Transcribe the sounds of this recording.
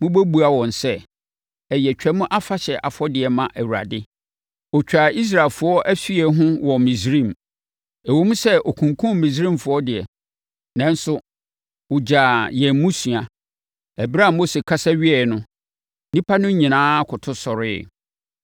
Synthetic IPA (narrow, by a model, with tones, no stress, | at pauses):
mʊ̃˦bæ˦bu˨a˨wɔ̃˨n˨sɛ˦ | ɛ˨jɛ˨t͡ɕᶣɛ˦mʊ̃˦ʔa˦fa˦ɕɛ˨ʔa˨fɔ˦dɪ˨ɛ˨mã˨ʔæ˨wu˨ɾa̰˨dɪ˦ | ɔ˨t͡ɕᶣa˨i˦s̬ɾa˨ɪ˨fʊ˦ɔ˦ʔæ˦fi˦ɛ˨ɦʊ̃˦wɔ˨mĩ˨sɾĩ˦˨m | ɛ˨wo˦mũ˦sɛ˦ʔo˨kʰũ˨ŋkʰũ˦˨mĩ˨s̬ɾĩ˦˨mfʊ˦ɔ˦dɪ˨ɛ̰˨ | nã˦n˦sʊ˦ | wʊ˨d͡ʑaː˨jɛ̃˨m˦mũ˦sɥa˨ | ɛ˨ba˦˨mo˦se˨kʰa˦sa˦ɥɪ˦ɛ˨nʊ̃˦ | nĩ˦pʰa˦nʊ̃˦ɲĩ˨nãː˦kʰʊ˨tʰʊ˦sɔ˨ɾɪ̰˦